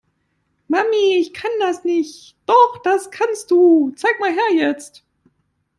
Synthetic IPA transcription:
mamiɪçkʰandasnɪçt | d̥ɔχd̥askʰanst̚d̥uːt͡saɪk̚maːlɦɛɐjɛt͡st

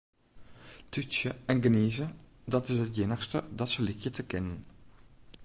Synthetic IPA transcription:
tysjəɛnɡəniːzədɑtɪsɦətjɪnəxstədɑtsəlɪkjətʰəkɪnən

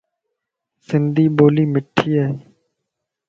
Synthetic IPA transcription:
sɪnd̪ʱiːɓoːliːmɪʈʰːiːaːɦeː

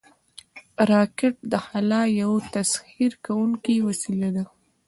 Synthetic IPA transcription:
ɾɑkɪʈ̚d̪əhalɑjawt̪ashiɾkawuŋkiwasilad̪a

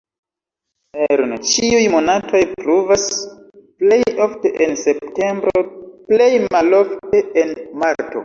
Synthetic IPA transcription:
eɾnt͡ʃiujmo̞natʰo̞jpɾuvas | plejo̞fte̞ʔense̞p̚te̞mbɾo̞ple̞jmalo̞fteenmaɾto̞̰

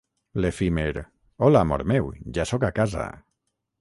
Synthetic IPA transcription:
lefimeɾ | olamoɾmewd͡ʒasokakaza̰

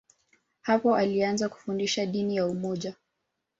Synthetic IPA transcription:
hapɔʔalianzaku̥fundiʃaɗinijaumɔʄa

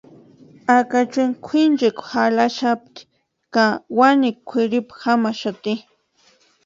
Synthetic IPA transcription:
akat͡ʃʊŋkʷʰɪnd͡ʒekxalaʃap̚t̪i̥ | kawanɪkkʷʰɪɾɪpḁxamaʃat̪ɪ

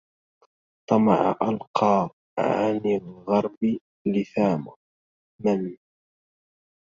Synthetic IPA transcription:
t̪ˤɑmɑ̰ʕa̰ʔalqʰɑː | ʕanɪlɣɑɾˤbɪ | lɪθaːmʊ | man

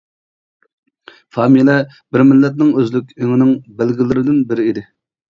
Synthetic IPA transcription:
fɑːmilɛ | bɪɾmɪlːɛt̪̬̚nɪŋøzlykʲøŋɪnɪŋbɪlɡʲilɪɾɪd̪ɪnbɪɾɪid̪ɪ

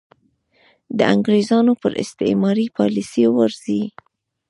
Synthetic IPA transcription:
d̪əaŋɡɾezɑnopəɾɪ̰st̪ɪ̰mɑɾipɑlisijowəɾz̥i

